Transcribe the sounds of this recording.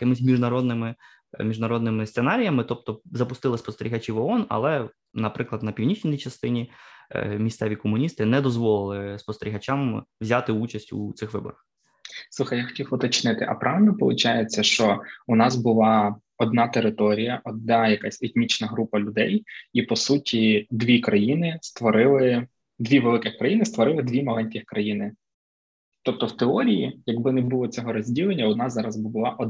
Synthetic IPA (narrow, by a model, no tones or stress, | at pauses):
jɐkɪmɪsʲmʲiʒnɐɾɔd̪nɪmɪ | mʲiʒnɐɾɔd̪nɪmɪsenɑɾʲijɐmɪt̪ɔp̚t̪ɔzɐpʊst̪ɪlˠɪspɔst̪eɾʲiɦɐt͡ʃʲiʋɔɔnɐ̰lˠɛ | nɐpɾɪklˠɐd̪nɐpʲiwnʲit͡ʃʲnʲiit͡ʃɐst̪ɪnʲi | mʲist̪sɛʋʲikɔmʊnʲist̪ɪnɛd̪ɔzʋɔlˠɪlˠɪspɔst̪eɾʲiɦɐt͡ʃamʋzʲɑt̪ɪut͡ʃɐsʲtʲṵt̪sɪxʋɪbɔ̰ɾɐx | suxɐjaxɔ̥tʲiwɔt̪ɐt͡ʃnɪt̪ɪʔɐ̰pɾʔɑʋɪlʲnɔpɔ̰lˠʊt͡ʃajet͡sʲːɐʃt͡ʃɔʊnɑzbʊlˠɑ | ɔd̪nɑt̪eɾɪt̪ɔɾʲijɐʔɔd̪̚nɑjɐkasʲet̪ʲnʲit͡ʃnɐɦɾupɐlʲʊd̪ɛjipɔsutʲid̪ʋʲikɾɐjinɪst̪ʋɔɾɪlˠɪ | d̪ʋʲiʋelˠɪkɪxkɾɐjinɪst̪ʋɔɾɪlˠɪd̪ʲʋʲimɔlˠɛnʲtʲixkɾɐjinɪ | t̪ɔp̚t̪ɔwt̪eɔɾʲijijɐɡbɪnɛbʊlˠɔt͡sʲɔɦɔɾɔzʲdʲilˠenʲːɐʊd̪nɑzzɑɾɐzbbʊlˠɑʔɔd